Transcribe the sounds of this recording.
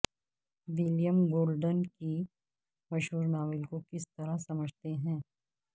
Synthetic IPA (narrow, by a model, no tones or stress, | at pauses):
ʋɪlijəmɡoːlɖənki | mɐʃɦuːɾnaːʋɪlkokɪst̪ɐɾasɐməd͡ʒʱt̪eɦɛ̃ː